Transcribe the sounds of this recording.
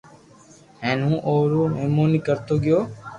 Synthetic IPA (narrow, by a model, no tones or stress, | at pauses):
ɦẽːnũːʔoːɾoːmeːmoːniːkəɾt̪oːɡɪjoː